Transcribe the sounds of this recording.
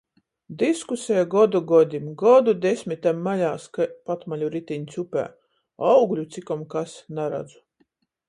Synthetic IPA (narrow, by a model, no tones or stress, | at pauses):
d̪iskusʲɛjɡɔd̪uɡɔd̪ʲimɡɔd̪ud̪ʲesʲmʲit̪ɛmːalʲaːskapat̪malʲuɾit̪iɲʲt̪sʲupʲæ̰ː | awɡlʲut̪sʲikɔmkasnaɾa̰d̪zu̥